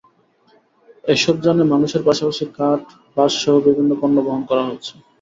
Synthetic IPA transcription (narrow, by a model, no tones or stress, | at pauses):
eʃɔb̚d͡ʑanemanuʃeɾpaʃapaʃikaʈ | baʃʃɔɦobibʱinːokonːoboɦonkɔɾaɦotːɕʰe̥